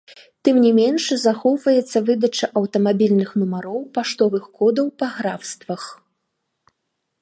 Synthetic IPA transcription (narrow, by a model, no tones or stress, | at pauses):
t̪ɨmnʲɛmʲɛnʂzaxɔwvɐjɛt̪sːɐvɨd̪ɐt͡ʂɨʔɐwt̪ɐmabʲilʲnɨxnumaɾɔwpaʂt̪ɔvɨxkɔd̪ɐwpɐɣɾawst̪vɐx